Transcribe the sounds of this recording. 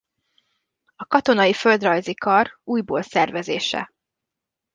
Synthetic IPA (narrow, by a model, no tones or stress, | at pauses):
ɒkɒt̪o̞nɒjifø̞ld̪rɒjzikɒruːjboːlsɛrvɛzeːʃɛ̰